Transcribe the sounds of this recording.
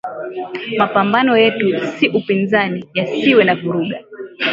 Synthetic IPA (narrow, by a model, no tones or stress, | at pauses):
mapambanɔjɛtusiʔupinzanijasiwɛnavuɾuɠa